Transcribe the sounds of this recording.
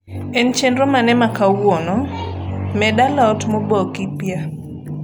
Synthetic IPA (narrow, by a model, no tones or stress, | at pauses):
ɛnt͡ʃendɾomanɛmakawonɔ | mɛdalaɔtmobɔkipja